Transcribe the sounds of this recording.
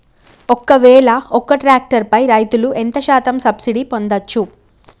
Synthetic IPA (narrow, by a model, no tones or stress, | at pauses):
ɔkːɐʋɛːɭɐɔkːɐʈɾaːk̚ʈɐɾpɐjɾɐjt̪uluʔent̪ɐʃaːt̪ɐmsɐbsiɽipo̞nd̪ɐt͡ʃːu